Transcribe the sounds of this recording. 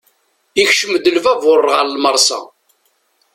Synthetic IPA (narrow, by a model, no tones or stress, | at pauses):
içʃəmd̪əlvævʊrˤːʁəɾlməɾˤsɑ̰